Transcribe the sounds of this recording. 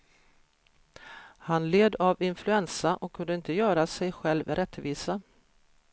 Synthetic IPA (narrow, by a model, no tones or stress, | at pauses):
hanleːd̪avɪnflɵɛnsaʔɔkʰːɵnd̪əɪnt̪əjœːɾasɛjɧɛlvɾʔɛt̪ːviːsa